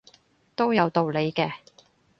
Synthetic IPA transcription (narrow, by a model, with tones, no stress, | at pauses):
t̪o˥wjɐ˨˧wt̪o˨˧wle˨˧jkɛː˧